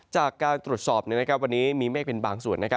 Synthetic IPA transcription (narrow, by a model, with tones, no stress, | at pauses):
t͡ɕaː˨˩kːaː˧nt̪ɾu˨˩ət̪sɔː˨˩p̚ni˥˩n˦˥kʰp̚wa˧nːiː˦˥miː˧meː˥˩k̚pe˧nbaː˧ŋsu˨˩ənː˦˥kʰa˦˥